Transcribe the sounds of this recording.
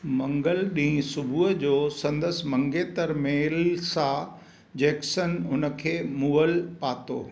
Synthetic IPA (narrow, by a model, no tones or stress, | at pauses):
mɐ̃ŋɡəlɗĩːsʊbʱuəd͡ʑoːsɐ̃nd̪əs̆mɐ̃ŋɡet̪əɾmeːlsã | d͡ʑeːksənʊnə̆kʰeːmuːəlpaːt̪o̰ː